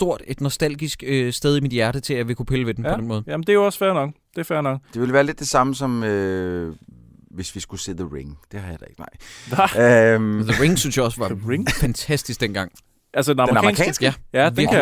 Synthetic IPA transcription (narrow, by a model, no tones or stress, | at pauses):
d̥o̝ɐ̰d̥e̝d̥nɒsd̥æl̰ɡ̥isɡ̥øsd̥eð̞ˠimid̥jæɐɾ̥ət͡sʰe̝æʋe̝kʰupʰeləʋe̝d̥enʰɒd̥enmɔːðˠæmn̩d̥e̝joɒsfæɐnɑɡd̥e̝fæɐnɒɡd̥e̝ʋe̝lʋæːɐled̥e̝sɑ̈məsɒ̽mø | ʋe̝sʋisɡ̥use̝̰ːðəʁiŋd̥e̝hɑjɑd̥ɐe̝ɡ̥ənɑ̈ɪ̰ | ðəʁiŋsynsjɑɒ̽səʋɑ̈iŋfænt͡sʰæsd̥isɡ̥̚d̥enɡ̥ɑ̈ŋ̰ | ʔælsədenɑmeʁɑmɛʁ̰kʰɛ̰ːnsɡ̥æjæʋiɐ